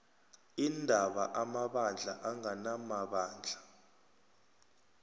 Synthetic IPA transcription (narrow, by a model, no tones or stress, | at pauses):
indʱaɓaʔamaɓand͡ɮʱa̰ʔaŋanamaɓaːnd͡ɮʱa